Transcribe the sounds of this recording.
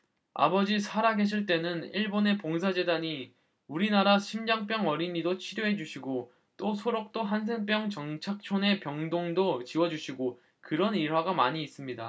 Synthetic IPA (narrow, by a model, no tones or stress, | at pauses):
a̰bʌd͡ʑisʰaɾaɡe̞ɕ̬ʰiɭt͈e̞nɯniɭbone̞poŋs̬ʰad͡ʑe̞daɲi | uɾinaɾaɕʰimd͡ʑaŋp͈jʌŋʌɾiɲidot͡ɕʰiɾjoɦe̞d͡ʑuɕʰiɡo | t͈osʰoɾʌk̚t͈oɦans̬ʰe̞ŋp̬͈jʌŋt͡ɕʌŋt͡ɕʰak̚t͡ɕʰone̞pjʌŋdoŋdot͡ɕiwʌd͡ʑuɕʰiɡo | kɯɾʌniɭɦwaɡamaɲiːs͈ɯmɲida